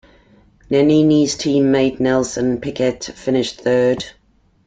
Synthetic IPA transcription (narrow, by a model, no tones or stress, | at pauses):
nɛniniz̥tʰĩːmːeɪdⁿnɛlˠsə̃npʰɪkɛtfɪnɪʃθɜːd̥